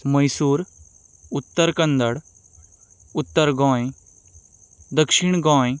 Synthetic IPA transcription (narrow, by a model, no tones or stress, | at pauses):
mɐjsuːɾ | ʊt̪ːəɾkɐ̃nd̪əɽ | ʊt̪ːəɾɡɔ̃ːẽ | d̪ɐkʃɪɳ̃ɡɔ̃ːĩ